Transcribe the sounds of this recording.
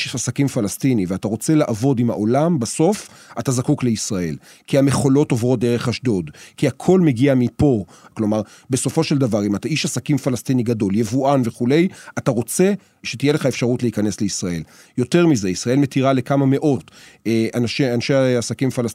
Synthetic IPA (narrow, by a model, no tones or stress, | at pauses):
asakimfalastiniveataʁo̞t͡se̞laʔavo̞dimha̰ʔo̞lambaso̞f | atazakukle̞isʁae̞̰l | kiame̞χo̞lo̞tovʁo̞t̚d̪eʁ̞e̞χaʃdo̞dkiakʰo̞lme̞ɡiamipo̞ | klo̞maʁ | be̞so̞fo̞ʃeld̪avaʁimataiʃasakimfalastiniɡado̞ljevuʔanve̞χule̞jataʁo̞t͡se̞ | ʃetijele̞χaefʃaʁutleikane̞sleisʁae̞̰l | jo̞te̞ʁmize̞isʁae̞lme̞tiʁalekamame̞ʔo̞teʔanʃianʃeasakimfalas